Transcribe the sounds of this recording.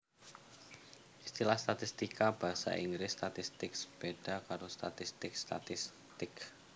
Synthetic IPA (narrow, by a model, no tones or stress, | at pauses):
ʔist̪ilahst̪at̪ist̪ikab̥a̤ɦasa̰ʔiŋɡɾɪsːt̪at̪ist̪ɪksb̥eɖ̥a̤kaɾost̪at̪ist̪ɪkst̪a̰t̪ɪs | t̪ɪk